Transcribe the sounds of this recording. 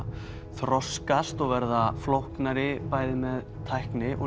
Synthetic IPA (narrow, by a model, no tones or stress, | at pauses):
θɾɔskast̪ɔɣvɛɾðaflɔwhknaɾɪpaːjðɪmɛð | t̪ʰajhknɪʔɔ